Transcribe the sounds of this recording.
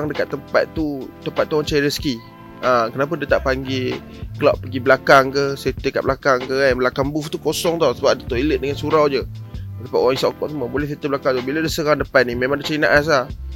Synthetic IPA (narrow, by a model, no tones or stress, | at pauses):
aŋdəkat̪ːəmpa̰t̪ːut̪əmpat̪ːuaŋt͡ʃajiɾəski | əkənap̬adat̪aʔpaŋɡe | kəlaʔpəɡiblakaŋkəst̪əka̰ʔ̚blakaŋkəablakaŋbuft̪ukosɔŋt̪awsəbap̚dat̪oʔilət̪̚dəŋansuɾawd͡ʒədəpat̪ʔ̪̚wɔaŋisaʔkɔʔtsəməbolɛhfət̪əblakaŋt̪ubiladiəsəɾaŋdəpanimẽmãŋdət͡ʃainaʔas̬lah